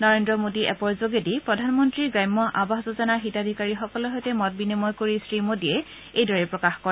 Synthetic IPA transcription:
nɔɹendɹɔmodiʔɛ̰pɔɹzoɡedipɹɔdʱanmɔntɹiɡɹajmːɔʔabaɦzɔzanaxitadʱikaɹixɔkɔlɔɦojtɛmɔt̚binimɔjkoɹisɹimodijɛ | ejdɔɹɛpɹɔkaxkɔɹɛ

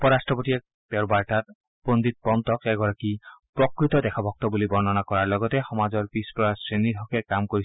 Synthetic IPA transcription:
ɔpɔɹastɹɔpotiɛk̚ | pɛɹbaɹʈat̪̚ | pond̪it̪̚pɔnt̪ɔkɛɡɔɹakipɹɔkɹit̪ɔdɛkʰɔbʱɔk̚t̪ɔbulibɔɹnɔnakɔɹaɹlɔɡɔt̪ɛxɔmazɔɹpispɔɹasɹeniɾɦɔkɛkamkoɹi

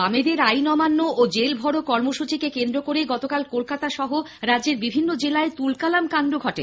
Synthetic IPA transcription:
amed̪eɾajnɔmanːood͡ʑelbʱɔɽokɔɾmoʃut͡ɕikekend̪ɾokoɾeɡɔt̪okalkolkat̪aʃɔɦoɾadːd͡ʑeɾbibʱinːod͡ʑelaet̪ulkalamkand̪ɾoɡʱɔʈe

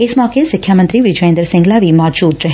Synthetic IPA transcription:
ɪsmɔːkesɪkʰːjamənt̪ɾiʋɪd͡ʒʋẽːnd̪əɾsɪ̃ŋɡlaʋimɔːd͡ʒuːd̪ɾɐɦe

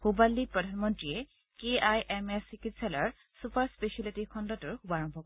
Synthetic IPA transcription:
xubalːipɹɔdʱanmɔntɹie | keajʔɛmesikitsɛlaɹ | supaɹspeʃalitikʰɔndɔtɔɹkʰubaɹɔmbʱɔkɔ

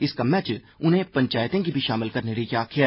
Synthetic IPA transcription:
ɪskamɛːt͡ʃ | ʊnɦẽpɐ̃ɲt͡ʃaːjt̪ẽkibʱiʃaːmɪlkɐɾneɾikjaːkʰija

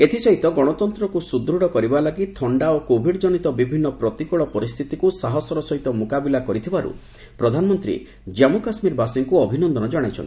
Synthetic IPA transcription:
et̪ʰisɔɦit̪ɔɡɔɽ̃ɔt̪ɔnt̪ɾɔkusud̪ɾuɽɔkɔɾibalaɡit̪ʰɔɳɖaokobʱiɖd͡ʒɔnit̪ɔbibʱinːɔpɾɔt̪ikɔɭɔpɔɾist̪ʰit̪ikusaɦɔsɔɾɔsɔɦit̪ɔmukabilakɔɾit̪ʰibaɾṵ | pɾɔd̪ʱanɔmɔnt̪ɾḭ | d͡ʒamukasmiɾbasiŋkuɔbʱinɔnd̪ɔnɔd͡ʒɔɽ̃ajt͡ʃʰɔ̰nt̪i

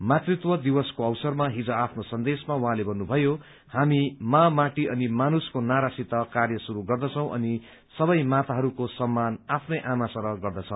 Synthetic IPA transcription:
mat̪rit̪wʌd̪ibʌskoʌwsʌrmaɦid͡zoapʰnosʌnd̪esmawʌɦãlebʱʌnːubʱʌjo | hamimamaʈiʌnimanuskonaɾasit̪ʌkarjʌsuɾuɡʌrd̪ʌt͡sʰʌ̃w̃ʔʌ̰ni | sʌbʌjmat̪aɦʌɾukosʌmːanapʰnʌjʔamasʌɾʌɡʌrd̪ʌt͡sʰʌw̃

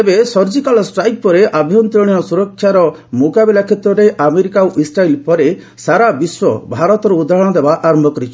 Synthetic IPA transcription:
ebesɔɾd͡ʒikalɔsʈɾajk̚pɔɾeʔabʱjɔnt̪ɾiɽ̃ijɔsuɾɔkʰːjaɾɔ | mokabilakʰet̪ɾɔɾeʔameɾikaoʔisɾailpɔɾe | saɾabiswɔbʱaɾɔt̪ɔɾeud̪ʱaɦɔɽ̃ɔd̪ebaʔaɾmɔkɾit͡ʃʰɔ

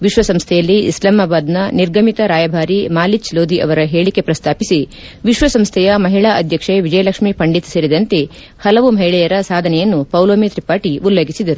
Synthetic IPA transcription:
ʋiʃʋɐsɐmst̪ʰɛjɐlːiḭslaːmaːbaːd̪nɐniɾɡʱɐmit̪ɐɾaːjɐbʱaːɾimaːlit͡ʃloːd̪ʱiʔɐʋɐɾɐɦe̞ːɭike̞pɾɐst̪ʰaːpisi | ʋiʃʋɐsɐmst̪ʰɛjɐmɐɦiɭaːʔɐd̪ʱjɐkʂeʋid͡ʒɐjɐlɐkʂmipɐɳɖit̪seɾid̪ɐnt̪e̞ | hɐlɐʋumɐɦiɭɛjɐɾɐsaːd̪ʱɐnɛjɐnːupɐwloːmet̪ɾipaːʈiʔulːɐɡisid̪ɐɾu

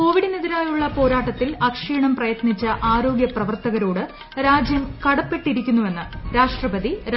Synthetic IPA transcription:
ko̞ːʋiɽɨniðiɾaːjuɭːɐpo̞ːɾaːʈːɐt̪ːilɐkʂiːɳɐmprɐjɐt̪nit͡ɕːɐʔaːɾo̞ːɡjɐprɐʋɐrt̪ɐɣɐɾo̞ːɽɨ | ɾaːd͡ʑjɐmkɐɽɐpːe̞ʈːiɾikʲːunːuʋe̞nːɨɾaːʂʈrɐbɐd̪i

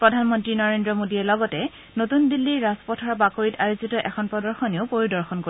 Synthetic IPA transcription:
pɹɔdʱanmɔntɹinɔɹendɹɔmodiɛlɔɡɔtɛ | notundilːiɹaspɔtʰɔɹbakoɹitajozitɔʔɛkʰɔnpɹɔdɔɹxɔneʊpoɹidɔɹxɔnko

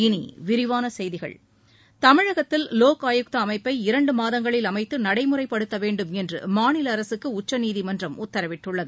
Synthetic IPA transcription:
ɪnḭʋɪɾɪʋaːnɐsɛjðɪɣɐ̰ɭ | t̪ɐmɪɻɐɣɐt̪ːɪlloːkaːjɯk̚t̪ɐːmɐɪpːɐɪɪɾɐɳɖɯmaːðɐŋɡɐɭɪlɐmɐɪt̪ːɯnɐɽɐɪmɯrɐɪpːɐɽɯt̪ːɐʋeːɳɖɯmɛndrɯ̰maːnɪlɐɐɾɐsɯkːɯʊt͡ʃːɐniːðimɐndrɐmʔʊt̪ːɐɾɐʋɪʈːɯɭːɐðɯ

